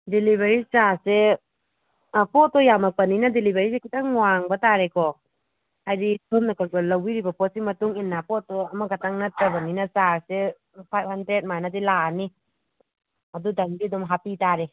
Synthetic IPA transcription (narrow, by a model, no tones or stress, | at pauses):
dilibeɾisase | pɔtːɔjamak̚pɐninadilibeɾisekitaŋŋwaŋbataɾekʰɔ | hajditʰomnɐkʰaɡɔlɐwiɾibɐpɔt̚simɐtuŋinːapɔtːɔɐmaɡatʰaŋnatɐbɐninasaɾse | pʰajp̚handɾet̚majnadilani | ɐdudɐŋbidɔmɦapitaɾe